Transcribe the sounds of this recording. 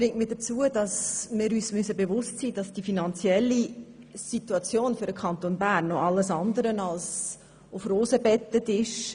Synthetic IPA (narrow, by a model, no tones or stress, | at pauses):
ɾɪŋtmiːdət͡suːəd̥ɑsmɪːɾyːsmʏsəbevʊstsiːd̥ɑsd̥ifinɑnt͡sjɛlːisituɑt͡sjoːnføɾəkʰɑntonbærnːɔʔɑlːəsɑndəɾənɑls | ʊfroːsəbɛtːətɪʃ